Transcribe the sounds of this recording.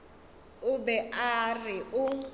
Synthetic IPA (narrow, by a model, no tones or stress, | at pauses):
ʊbɛʔarɪʔʊ